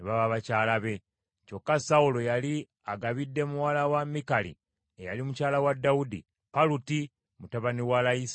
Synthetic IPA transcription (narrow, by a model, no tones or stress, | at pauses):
niβaβaβacaːlaβe̞ | co̞kːasaulo̞jali | aɡaβidːe̞muwalawamikalḭ | eja̰limucaːlawadːaudḭ | paluti | mutaβaniwalais